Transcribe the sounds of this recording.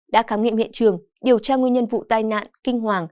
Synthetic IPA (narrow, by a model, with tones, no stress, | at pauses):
ɗa̰ː˧˥kaː˨˦mŋḭ˧˨əmhḭ˧˨nt͡ɕɨ˨˩əŋ | ɗi˨˩əwt͡ɕaː˧ŋwi˧ənɲə˧nvṵ˧˨t̪aː˧˩jna̰ː˧˨nkï˧ŋ̟hwaː˨˩ŋ